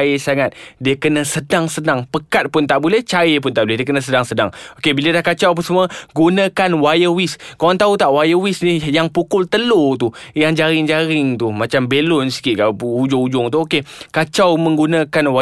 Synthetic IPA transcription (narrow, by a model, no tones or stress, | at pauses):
esaŋat̪̚diəkənə̃sədaŋsənaŋpəkat̪̚pʊnt̪aʔbulɛht͡ʃaepʊnt̪aʔbulɛɦdiəkənãsədaŋsəda̰ŋokebilədahkat͡ʃawp̬əsəmuəɡunãkanwajəwiskaant̪aut̪aʔwajəwisnihjaŋpukʊlt̪əlot̪ujaŋd͡ʒaɾɪŋd͡ʒaɾɪŋt̪umat͡ʃambelʊnskiʔkapud͡ʒʊŋud͡ʒʊŋt̪uokekat͡ʃawmə̃ŋɡunãkanwa